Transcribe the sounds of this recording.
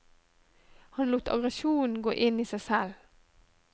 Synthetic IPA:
hɑnluːt̪ɑ̰ɡʁɛʃuːn̩ɡo̰ːʔɪniːsæɪsɛl

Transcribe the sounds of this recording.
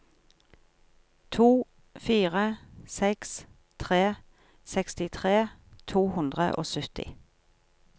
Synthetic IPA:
t̪ʰuː | fiːʁəsɛks | t̪ʰʁeː | sɛkst̪ɪt̪ʰʁeːt̪ʰuːhʉnd̪ʁə̰ʔo̰ːsʉt̪ɪ̰

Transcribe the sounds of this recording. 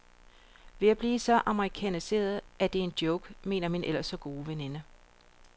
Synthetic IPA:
ʋe̝æb̥liːsɒ̽ʔɑ̈məʁikʰæ̰nise̝̰ːɐð̩ˠʔæd̥e̝e̝nd̥jɔʊɡ̥me̝̰ːnɐminʔelɐsɒ̽ɡ̥o̝ːʋene̝nə

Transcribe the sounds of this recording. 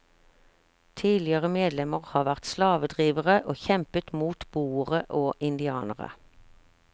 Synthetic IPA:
t̪ʰiːlɪəʁəmeːd̪lɛməʁhɑːʋæʁt̪slɑːʋəd̪ʁiːʋəʁəʔoːçɛmpət̪muːt̪b̥uːəʁəʔoːʔɪnd̪ɪɑːnə̰ʁə̰

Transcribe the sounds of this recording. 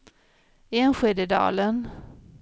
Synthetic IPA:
eːnɧeːd̪əd̪ɑ̰ːlən

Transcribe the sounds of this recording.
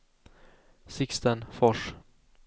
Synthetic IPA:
sɪkst̪ənfɔʂ

